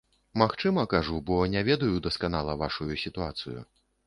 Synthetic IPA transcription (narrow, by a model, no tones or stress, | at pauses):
maxt͡ʂɨmɐkaʐubɔnʲɛvʲɛd̪ɐjud̪ɐskanalˠɐvaʂujusʲit̪uat̪sɨjṵ